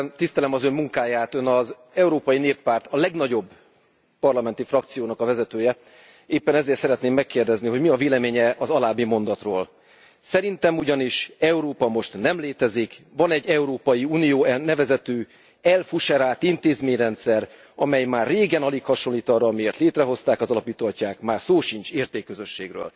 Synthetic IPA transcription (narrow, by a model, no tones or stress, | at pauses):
t̪ist̪ɛlɛmɒzø̞mːuŋkaːjaːt̪ønɒz | ɛuɾoːpɒjineːpːaːrt̪ɒlɛɡnɒɟo̞bː | pɒrlɒmɛnt̪ifrɒkt̪sijoːnɒkɒvɛzɛt̪øːjɛ | eːpːɛnɛzeːrt̪sɛɾɛt̪neːmːɛkːeːrd̪ɛzniɦo̞ɟmiɒveːlɛmeːɲɛʔɒzɒlaːbimo̞nd̪ɒt̪ro̰ːl | sɛɾint̪ɛmuɟɒniʃɛuɾoːpɒmo̞ʃt̪nɛmleːt̪ɛzikvɒnɛɟːɛuɾoːpɒjiuːnijoːɛnɛvɛzɛt̪øː | ɛlfuʃɛɾaːlt̪int̪eːzmeːɲrɛnt̪sɛr | ɒmɛjmaːrːeːɡɛnɒlikhɒʃo̞nliːt̪ɒrɒːmieːrt̪leːt̪rɛɦo̞st̪aːkɒzɒlɒpiːt̪oɦɒcːaːkmaːrsoːʃint͡ʃeːrt̪eːkːøzø̞ʃːeːɡrø̰ːl